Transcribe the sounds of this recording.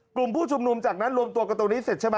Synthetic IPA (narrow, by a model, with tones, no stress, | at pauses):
ku˨˩mpʰuː˥˩t͡ɕʰu˧mnu˧mt͡ɕaː˨˩k̚naː˦˥nlu˧əmt̪u˧ka˧˩t̪u˧ni˦˥se˨˩t̚t͡ɕʰa˥˩ɓa˧